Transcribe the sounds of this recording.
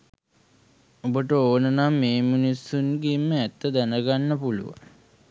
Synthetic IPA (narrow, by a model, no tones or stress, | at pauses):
obəʈəoːnənamːeːminisːunɡemːəæt̪ːəd̪ænəɡanːəpulṵʋa̰ŋ